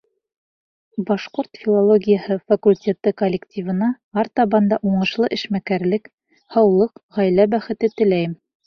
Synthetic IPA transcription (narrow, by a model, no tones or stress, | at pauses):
bɑʃqoɾt̪fʲilˠolˠoɡʲijəhɤfɐkulʲtʲe̞t̪ɤkolʲːɪktʲʰivɤ̆nɑ | ɑɾt̪ɑβɑnd̪ɑʔuɴɤ̆ʃlˠɤʔɘ̆ʃmækæɾlɘk | hɑwlˠɤqʁæjlæbæχɘ̆t̪ɘt̪ɘ̆læjɘm